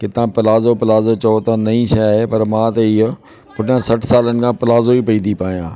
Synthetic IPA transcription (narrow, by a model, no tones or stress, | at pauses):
kɪt̪ãːpɪlaːzoːpɪlaːzot͡ʃəoːt̪ãːnɐĩːsəaːɦepɐɾmãːt̪eiː | pʊʈɪjãːsəʈʰsaːlənɪ̆kʰãːpɪlaːzoːipəĩːd̪ipaːjã̰ː